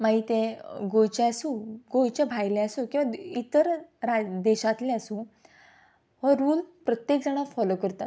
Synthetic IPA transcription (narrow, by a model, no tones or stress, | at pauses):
maɦit̪ẽɡojt͡ɕaəsũɡojt͡ɕabʱajleəsũkĩw̃ʋait̪əɾɾad̪eɕat̪leəsũ | ʋəɾuːlpɾət̪jek̚d͡zaɽ̃afɔlokəɾt̪at̪